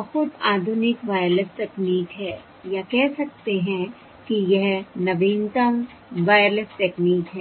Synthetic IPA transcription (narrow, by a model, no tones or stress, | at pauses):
bɐhʊt̪aːd̪ʱʊnɪkʋaːjɾlɪsʈɛːkniːkɦɛː | jakɛɦsɐk̚t̪eɦɛ̃ | kijɛɦnɐʋiːnt̪ɐm | ʋaːjəɾlɪsʈɛːkniːkɦɛː